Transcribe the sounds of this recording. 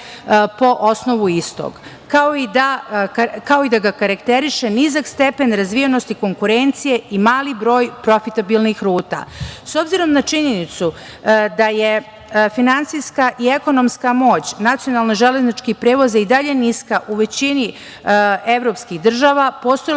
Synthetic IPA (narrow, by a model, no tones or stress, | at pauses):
po̞ʔosno̞ʋuist̪o̰ɡ | kaoid̪a | kao̞id̪aɡakaɾakt̪eɾiʃe̞nizakst̪e̞pe̞nɾazʋijenost̪iko̞ŋkuɾe̞nt̪sije̞imaːlibɾo̞ːjpɾo̞fit̪abilˠnixɾuːt̪a̰so̞bziɾo̞mnat͡ʃiɲenit̪su | d̪aje | finantsijskaʔie̞ko̞no̞mskamo̞ːt͡ɕnat̪sijo̞nalˠnoʒele̞znit͡ʃkipɾe̞ːʋo̞zaid̪aʎe̞niskaʔuʋe̞t͡ɕini | e̞ʋɾo̞pskiɣd̪r̩ʒaːʋapo̞ːst̪oj